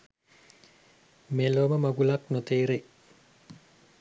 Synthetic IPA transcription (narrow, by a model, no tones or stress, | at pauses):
meloməmɐɡulɐknot̪eːɾe